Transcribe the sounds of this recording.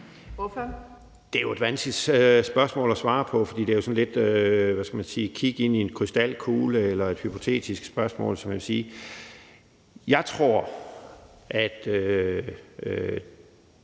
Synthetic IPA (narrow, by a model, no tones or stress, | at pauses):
ʋɔf | d̥e̝æjo̝e̝d̥ʋænsɡ̥li̥sb̥ɶɐsmɔ̰̽ːlɒsʋɑ̈ːpʰɒ̽fɒ̽d̥ḭːd̥e̝æjosɒ̽nle̝d̥øʋæsɡ̥æmænsiːkʰiɡ̥əe̝n̰ie̝nkʰʁysd̥æl̰kʰuːləelɐe̝d̥hypʰo̝t͡sʰe̝̰ːd̥isɡ̥sb̥ɶɐsmɔ̰̽ːlsɒ̽mjæʋesiː | jɑ̈ɪt͡sʰʁo̝ɐ̰ | ʔæd̥ø